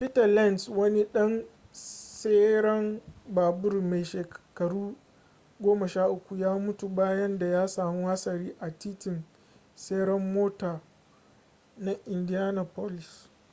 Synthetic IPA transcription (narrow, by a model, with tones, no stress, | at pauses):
pi˦tɐ˨la˦˨nswɐ˦ni˦ɗɐ˦n | se˦ɽɐ˦mbaː˨bʊ˦rme˨jʃeː˨kkɐ˨ɽuː˦ | ɡʷoː˦mɐ˨ʃaː˦ʔʊ˦kʷu˨jaː˦mʊ˦tu˨baː˦jɐ˦nda˨jaː˦saː˨mu˦ha˦sɐ˨ɾiː˦ʔa˨tiː˦tɪ˨n | se˦ɽɐ˦mːoː˦taː˨ | na˦ʔɪ˨ndi˦ja˦na˨po˦lɪ˨s